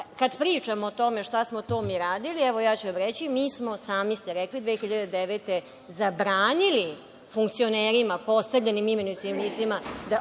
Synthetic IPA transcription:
kad̪pɾiːt͡ʂamoːt̪o̞me̞ʃt̪asmot̪oːmiːɾaːd̪iliɛʋo̞jaːt͡ɕuʋamɾet͡ɕimiːsmo̞saːmist̪eɾɛklid̪vʋeːxiʎad̪ed̪eʋet̪e | zabɾaːnili | fuŋkt̪sio̞neːɾimapo̞st̪avʎʲenimimenusiimliːst̪imad̪a

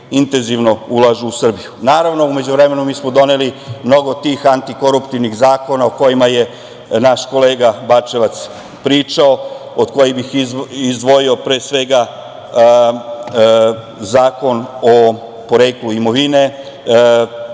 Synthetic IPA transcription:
int̪e̞nziʋno̞ulˠaʒuusr̩bijunaːɾaʋno̞ume̞d͡ʑuʋɾe̞me̞numiːsmo̞d̪o̞nelimno̞ɡo̞t̪iːxant̪iko̞ɾupt̪iʋnixzaːko̞naoko̞jimaje̞ | naʃko̞le̞ːɡabat͡ʃe̞ʋat̪s | pɾiːt͡ʃao̞ | od̪̥ko̞jibixizd̪ʋo̞jiopɾe̞ːsʋe̞ɡa | zaːko̞no | po̞ɾe̞ːkluimo̞ʋine̞

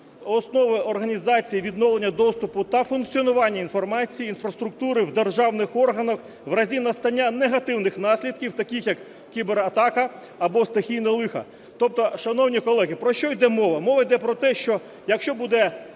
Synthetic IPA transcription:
ɔsnɔʋɪɔrɦɐnʲizɑt͡sʲijiʋʲid̪nɔʋlˠenʲːɐd̪ɔst̪ʊpʊt̪ɐfunk̚t͡sʲiɔnʊʋɑnʲːɐinfɔrmɑt͡sʲijiːnfɾɐst̪ɾʊk̚t̪uɾɪwd̪erʒɑwnɪxɔrɦɐnɐx | ʋrɐzʲinɐst̪ɐnʲːaneɦɐt̪ɪwnɪxnɑsʲlʲid̪̚kʲiwt̪ɐkʲixjɐkːʲ | ibeɾɐt̪ɑkɐː | bɔst̪exʲijnɐlˠɪxɐ̰ | t̪ɔp̚t̪ɔʃɐnɔwnʲikɔlˠɛɦʲipɾɔʃt͡ʃɔjd̪ɛmɔʋɐmɔʋɐjd̪ɛpɾɔt̪ɛʃt͡ʃɔ | jɐkʃt͡ʃɔbud̪ɛ

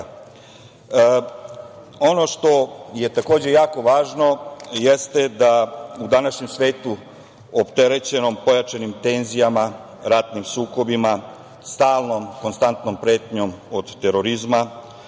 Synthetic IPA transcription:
o̞no̞ʃt̪o̞je̞t̪ako̞ːd͡ʑe̞jaːko̞ʋaːʒno̞jest̪ed̪aud̪anaʃɲemsʋe̞ːt̪u | opt̪e̞ɾe̞t͡ɕe̞nompo̞jat͡ʃanimt̪e̞nzijama | ɾat̪nimsuːko̞bima | st̪aːlˠno̞mko̞nst̪ant̪no̞mpɾe̞ːt̪ɲo̞mod̪ːe̞ɾo̞ɾizma

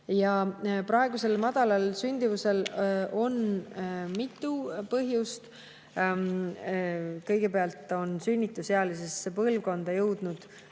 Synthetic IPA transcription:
jɑprɑe̞ɡ̥use̞lmɑd̪̥ɑlɑlsynʲd̪̥ivuse̞lo̞n | mit̪ːˑupɤɦjust̪ | kɤjɡ̥e̞peɑlt̪ˑːo̞nsynʲːit̪ːˑusheɑlisesːepɤlvko̞nd̪̥ɑjɤwd̪̥nud̪̥

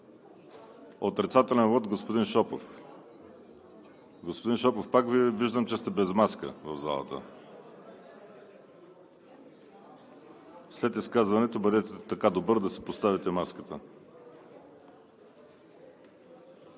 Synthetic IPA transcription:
ot̪ɾit̪sat̪ɛlɛnvɔt̪ɡospod̪inʃɔpo̰f | ɡospod̪inʃɔpofpakviviʒd̪əmt͡ʃɛst̪ɛbɛzmaskə̰vɐvza̰lˠə̰t̪ə̰ | slɛt̪iskazvɐnɛt̪obəd̪ɛt̪ɛt̪ɐkad̪obɤɾd̪ɐsɛpost̪avit̪ɛmaskət̪ə

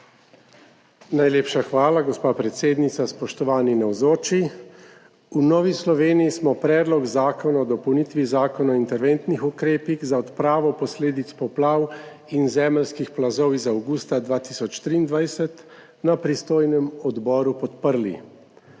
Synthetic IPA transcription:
najleːpʃaxʋaːlaɡɔspaːpɾɛt̪seːd̪nit̪saspɔʃt̪ɔʋaːninɛwzoːt͡ʃi | unɔːʋislɔʋeːnijismɔpɾɛːd̪lɔɡzaːkɔnaɔd̪ɔpɔwnit̪ʋizaːkɔnaɔint̪ɛɾʋent̪nixukɾeːpiɣzaɔt̪pɾaːʋɔpɔsleːd̪it̪spɔplaːw | inzɛːmɛlskixplazɔwizaawɡuːst̪ad̪ʋaːt̪isɔt͡ʃt̪ɾiːnd̪ʋajsɛt̪ | napɾist̪oːjnɛmɔd̪bɔːɾupɔt̪pəɾlḭ

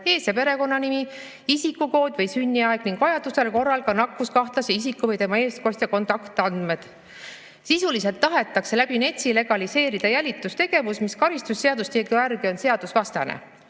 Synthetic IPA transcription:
e̞ːsepe̞ɾe̞ko̞nːɑnimi | isikːuko̞ːd̪̥ʲvɤjsynʲːiɑeɡ̥niŋɡ̥vɑjɑd̪̥use̞lko̞rːɑlkɑnɑkːˑuskɑht̪lɑseis̬ikːuvɤjt̪e̞mɑe̞ːsko̞sʲt̪ʲjɑko̞nt̪ɑkt̪ˑɑnd̪̥me̞d̪̥ | sisulise̞lt̪ːɑɦe̞t̪ːˑɑkse̞læb̥ine̞t̪ʲsile̞ɡ̥ɑlise̞ːɾid̪̥ɑjælʲit̪ːˑust̪e̞ɡ̥e̞vusmiskɑɾist̪usːeɑd̪ust̪ʲieɡuærɡio̞nse̞ɑd̪usvɑst̪ɑnḛ

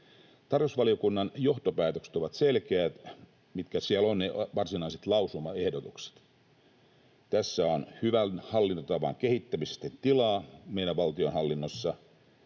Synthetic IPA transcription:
t̪ɑrjosʋɑliokunːɑnjo̞ht̪opæːt̪økse̥t̪oʋɑt̪selkeæt̪ | mit̪kæsiælonneʋɑrsinɑiset̪lɑusumɑe̞hdot̪ukse̥t̪ | t̪æsːæonhyʋænhɑlːint̪ot̪ɑʋɑ̰ŋkehit̪ːæmisest̪ent̪ilɑːmeiɾæʋʋɑlt̪ionhɑlːinːosːɑ

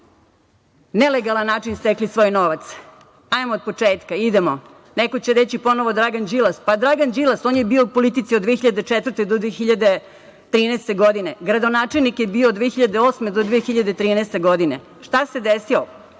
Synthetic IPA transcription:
neleɡalˠanːaːt͡ʃinst̪eklisʋo̞ːjno̞ʋat̪s | ajmoːd̪̚pot͡ʂeːt̪kaid̪emo | nekot͡ɕeɾet͡ɕipo̞noʋo̞d̪ɾaɡand͡ʒilaspad̪ɾaɡand͡ʒilˠasoːnjebiːoːpolit̪it̪siod̪ʋexiʎad̪et͡ʂet̪vəɾ̩t̪ed̪od̪ʋexiʎad̪e | t̪ɾiːnɛːst̪e̞ɡod̪ineɡɾad̪onaːt͡ʂelnikjebioːd̪ʋexiʎad̪eo̞ːsme̞d̪od̪ʋeːxiʎad̪et̪ɾiːnɛːst̪e̞ɡo̞d̪ine̞̰ | ʂt̪ase̞d̪esio

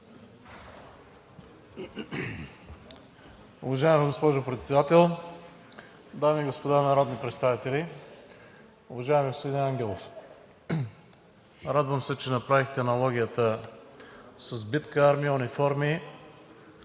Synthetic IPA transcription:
ʊvɐʒaɛmɛɡospɔʒʊpɾɛt̪sɛd̪at̪ɛlˠ | d̪amiɡospod̪anɐɾɔd̪nipɾɛt̪st̪avit̪ɛli | ʊvɐʒaɛmɛɡospod̪inɛaŋɡʲɛlˠof | ɾad̪vəmsɛt͡ʃɛnɐpɾavixt̪ɛnɐlˠɔɡʲiət̪ə | səzbit̪kəaɾmiəunifɔɾmi

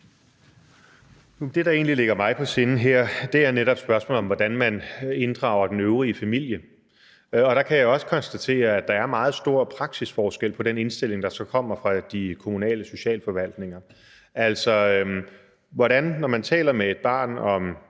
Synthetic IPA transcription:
ud̥e̝ɾ̥ɑ̈e̝ːnlile̝ɡ̥ɐmɑ̈ɪpʰɒ̽se̝nn̩ɦeɐ̰d̥e̝æɐneɾɒ̽b̥sb̥ɶɐsmɔ̰ːlɒ̽mʋɒd̥ænmæne̝nd̥ʁɑ̈ʊ̰ɐd̥enøʊʁiəfæmil̰jə | ɒ̽ɾ̥ɑ̈kʰæjɑaɒ̽sə̥kʰɒ̽nsd̥æt͡sʰe̝̰ːɐæd̥ɑ̈æɐmɑ̈ːð̞̩ˠsd̥o̝ɐ̰pʰʁɑ̈ɡ̥sisfɒːsɡ̥el̰pʰɒ̽ɾ̥ene̝nsd̥e̝l̰e̝ŋd̥ɑ̈sɒ̽kʰɒ̽m̰ɐfʁɑ̈d̥ikʰo̝munɛ̰ːləso̝ɕɛ̰ːlfɒ̽ʋæl̰d̥ne̝ŋɐ | æl̰sɒ̽ | ʋɒɾænːɒmænt͡sʰɛ̰ːlɐmee̝d̥̚b̥ɑ̰̈ːnɒ̽m

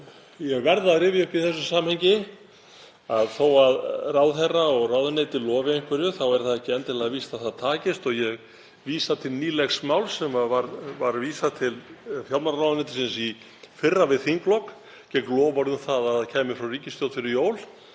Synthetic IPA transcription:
jɛɣvɛɾðaðrɪːvɪʏhpiθɛsːʏsaːmhɛjɲcɪ | aðθowaðrawðθɛraɔɣrawðʏneːjt̪ɪlɔːvɪeŋ̥kvɛɾjʏθawɛɾ̥θaðɛhcɪɛnt̪ɪlaaviːst̪aðθaðt̪ʰaːcɪst̪ɔɣjɛɣ | viːsat̪ʰɪlniːlɛxsmawlsɛmavaɾvaɾviːsat̪ʰɪlfjalmanɾawðʏnejt̪ɪ̥sɪnsi | fɪrːavɪðθiŋklɔk | cɛklɔːvaɾðʏmθaðaðcʰaːjmɪfɾɔwriːcɪst̪jowt̪fɪɾɪɾjoːwl

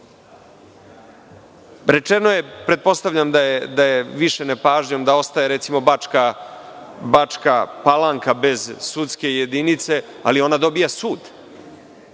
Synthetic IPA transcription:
ɾe̞t͡ʃe̞no̞je̞pɾe̞t̪̚po̞st̪aʋʎamd̪ajed̪ajeʋiʃe̞nepaːʒɲo̞md̪ao̞st̪ajeɾet̪simo̞baka | bat͡ʃkapalaŋkabe̞zsut̪ske̞je̞d̪init̪se̞ | a̰lio̞nad̪o̞bijasuːd̪

